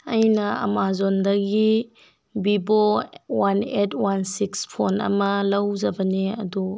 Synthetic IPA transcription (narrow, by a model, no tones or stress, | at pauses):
ɐjnɐɐ̰mazondɐɡi | bibɔwanetʰwansikspʰonɐ̰mɐlɐwzɐbɐneɐ̰du